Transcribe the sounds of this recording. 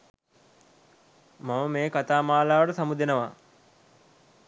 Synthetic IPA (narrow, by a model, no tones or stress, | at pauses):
maməmeːkat̪aːmaːlaːʋəɽəsamud̪enəʋa